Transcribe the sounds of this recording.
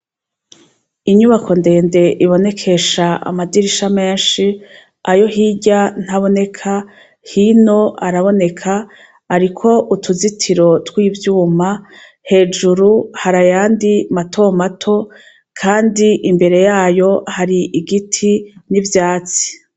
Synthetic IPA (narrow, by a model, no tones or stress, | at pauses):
iɲuβakʰo̞nde̞ːnde̞ʔiβo̞ne̞kʰe̞ʃaʔa̰madiɾiʃame̞ːnʃi | ajo̞ɦiɟan̥haβo̞ne̞kʰa | hino̞aɾaβo̞ne̞kʰaː | ɾikʰo̞ʔutʰuzitʰiɾo̞twiːvjuːma | he̞ːd͡ʒuɾuhaɾajaːndimatʰo̞matʰo̞ | kʰaːndiʔimbe̞ɾe̞jaːjo̞haɾiʔiɡitʰinivjaːt͡si̥